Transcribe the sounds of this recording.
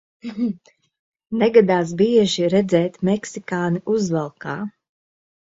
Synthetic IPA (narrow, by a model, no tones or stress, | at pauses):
nɛɡad̪aːs̬biɛʒiɾɛd̪zɛːt̪mɛksikaːniʔuzvalˠkaː